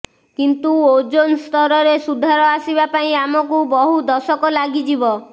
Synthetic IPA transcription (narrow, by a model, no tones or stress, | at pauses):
kint̪uod͡ʒonst̪ɔɾɔɾesud̪ʱaɾɔasibapaĩamɔkubɔɦud̪ɔsɔkɔlaɡid͡ʒibɔ